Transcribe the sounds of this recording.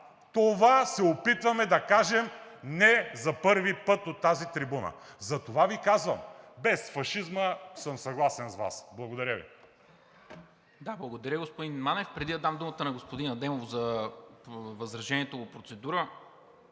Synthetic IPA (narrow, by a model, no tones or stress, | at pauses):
t̪ovasɛopit̪vɐmɛd̪ɐkaʒɛmnɛzɐpɤɾvipɤt̪ot̪ːazit̪ɾibunə̰zɐt̪ovavikazvə̰mbɛsfɐʃizməsəmsɐɡlˠasɛnsva̰sblˠɐɡod̪ɐɾʲəvḭ | d̪ablˠɐɡod̪ɐɾʲəɡospod̪inmanɛfpɾɛd̪id̪ɐd̪amd̪umət̪ənɐɡospod̪inɐd̪ɛmovzɐ | vɐzɾɐʒɛniɛt̪ovopɾot̪sɛd̪uɾə